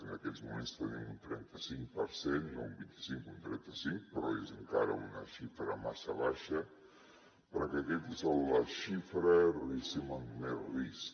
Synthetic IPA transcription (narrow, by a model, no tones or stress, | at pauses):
ənəkɛzmumenst̪ənimunt̪ɾɛnt̪əsiŋkpəɾsenoumbint̪i̥siŋkunt̪ɾɛnt̪əsiŋk̚pɾɔezəŋka̰ɾə̰unəʃifɾəmasəβaʃə | pəɾɔkəkɛt̪ezəlləʃifɾərisimənumeris